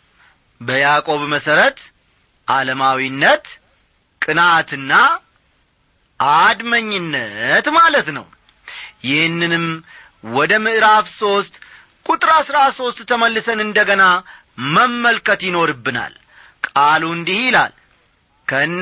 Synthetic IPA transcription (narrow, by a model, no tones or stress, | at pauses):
bəjakʼo̞βməsəɾət̪ | ʔaləmawinːət̪ | kʼɨnat̪ɨnːa | ʔad̪məɲːɪnːət̪malət̪nə̰w | jɪhnːɨnɨm | wɔd̪əmɨʔɾafso̞st̪ | kʼut̪ʼɨɾasɾaso̞st̪t̪ʰəməlːɨsənɨnd̪əɡəna | məmːəlkət̪jɪno̞ɾɨbːɨna̰l | kʼaluɨnd̪ihjɪla̰l | kʰən